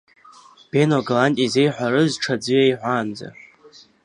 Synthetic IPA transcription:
b̥enoɡalantʼizejħʷᶣaɾɨzʈ͡ʂʰad͡zɨjejħʷand͡za̰

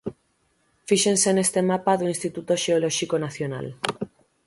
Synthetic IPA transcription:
fiʃensenest̪emapaðuinst̪it̪ut̪oʃeolɔʃikonaθjona̰l

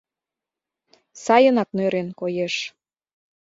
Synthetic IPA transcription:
sɑjənɑknøɾenkojeʃ

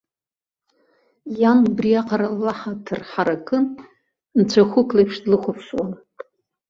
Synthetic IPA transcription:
janbriaqʰʼaɾalːaħatʰɨrħaɾakʰʼɨn | nt͡ɕʷʰaχʷʊkʰʼlapʰʂdlɨχʷʊpʰʂwan

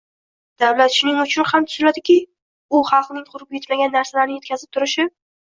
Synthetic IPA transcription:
d̪̥awlat̪ʃʊnɪŋʊt͡ʃʰʊnhamt̪ʰʊzɪlad̪ɪkʲɪ | ʊχɑlˠqnɪŋqʰʊɾɪp̚ʲet̪maɡʲanːaɾsalaɾnɪjt̪̚ʲkʲʰazɪp̚t̪ʰʊɾɪʃɪ

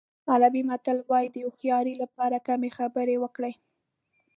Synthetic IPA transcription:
alabimat̪əlwɑjid̪əjoxjɑɾilapɑɾakamexabəɾewəkɽej

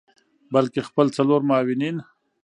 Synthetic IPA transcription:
balkexpəlt͡saloɾmaːwɪnin

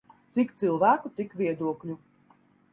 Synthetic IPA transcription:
t̪sikt̪sɨlˠvæːkut̪ikvʲiɛd̪uɔklʲu

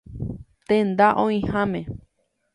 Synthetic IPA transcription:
t̪end̪aʔõĩhãmẽ

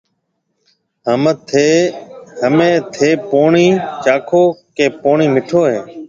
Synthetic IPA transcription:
ɦəm | ɦəmẽːt̪ʰeːpoːɳiːt͡ʃaːkʰoːkẽːpoːɳiːmɪʈʰoːɦeː

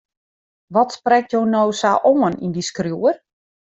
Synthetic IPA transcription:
ʋɔtsprɛk̚tjoːnowsaʔoənḭndiskrjuər

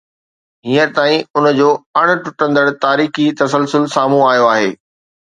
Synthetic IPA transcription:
ɦiːə̃t̪aːĩʊnd͡ʑoːɐɽ̃ʊ̆ʈʊʈə̃nd̪əɽt̪aːɾiːxit̪ɐsəlsʊlsaːm̤ũaːijoaːɦeː

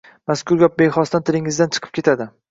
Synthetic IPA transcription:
maskʰʊɾɡʲɒp̚beχɒst̪ant̪ʰɪlɪŋɪzd̪ant͡ʃʰɨ̥qʰɯ̥p̚kʲʰe̞t̪ʰad̪ɪ

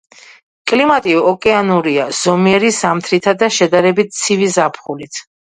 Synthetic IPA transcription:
kʼlimat̪ʼiɔkʼɛanuɾiaz̥ɔmiɛɾisamt̪ʰɾit̪ʰad̪aʃɛd̪aɾɛbit̪̚t̪sʰivizapʰχulit̪ʰ

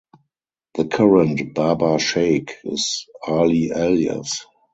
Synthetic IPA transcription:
ðəkʰaɹə̃ntb̥abaʃeɪkʰɪ̰saliʔɛljə̰s

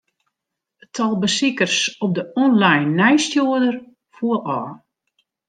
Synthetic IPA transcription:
tʰɔlˠbəsikərsɔp̚dəɔnlajnːɛjstjuədər | fuəlɔː

